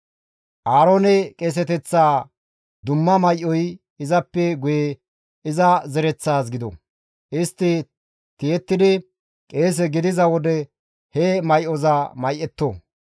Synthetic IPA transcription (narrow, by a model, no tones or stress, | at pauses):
ʔaːɾoːnɛkʼeːs̬ɛt̪ɛt͡sːaː | d̪ʊmːɐmɐjʔɔj | ɪzɐpːɛɡʊje | ɪzɐzɛɾɛt͡sːaːs̬ɡɪd̪ɔ̰ | ʔɪst̪ːɪ | t̪ɪjɛt̪ːɪd̪ɪ | kʼeːs̬ɛɡɪd̪ɪzɐwɔd̪ɛ | hɛmɐjʔɔzɐmɐjʔɛt̪ːo